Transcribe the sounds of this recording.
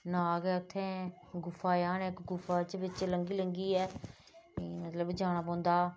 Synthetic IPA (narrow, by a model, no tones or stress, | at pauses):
nãːɡɛːʊt̪ʰːẽː | ɡʊfʰaːjaːnɛːɪkɡʊfʰaːt͡ʃbɪt͡ʃləŋɡiːləŋɡiːɛː | mət̪ləbd͡ʒaːñaːp̬ɔ̃ːnd̪aː